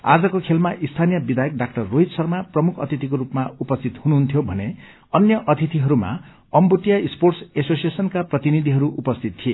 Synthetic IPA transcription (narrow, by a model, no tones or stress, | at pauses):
a̰d͡zʌkokʰelmaʔist̪ʰanijʌbid̪ajʌk̚ɖak̚ʈʌrːoɦit̪sʌrmaprʌmukʰʌ̰t̪ʰit̪ikoɾupmaupʌst̪ʰit̪hunuɦunt̪ʰjobʱʌne | ʌnjʌʔʌt̪ʰit̪iɦʌɾuma̰ | ʌmbuʈijaisporʈsesosijesʌnkaprʌt̪inid̪ʱiɦʌɾuʔupʌst̪ʰit̪ʰːie